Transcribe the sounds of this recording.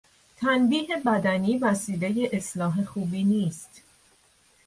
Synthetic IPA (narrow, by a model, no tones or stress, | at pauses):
t̪ʰænbiːɦe̞bæd̪æniːvæsiːle̞je̞ʔeslɒːɦe̞xuːbiːniːst̪